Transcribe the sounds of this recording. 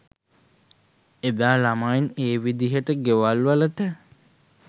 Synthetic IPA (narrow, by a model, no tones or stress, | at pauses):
ed̪aːlamajneːʋid̪iɦəʈəɡeʋalʋalət̪ə